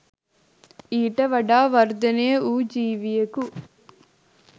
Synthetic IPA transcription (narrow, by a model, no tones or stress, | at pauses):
iːʈɐʋɐɖaːʋɐɾd̪ɐneːuːd͡ʒiːʋijɐku